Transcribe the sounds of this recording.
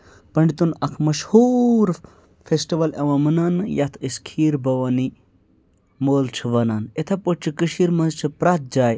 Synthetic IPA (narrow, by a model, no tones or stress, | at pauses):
pɐɳɖit̪unɐkʰmɐʃhuɾ | fesʈiʋɐlɐʋɐmənanɨjɐt̪ʰiskʰiːɾbɐʋɐni | moːlt͡ʃʰuʋɐnanet̪ʰɐpoʈ̚t͡ʃʰɨkɨʃiɾmɐnzt͡ʃʰɨpɾat̪̚d͡ʒaːj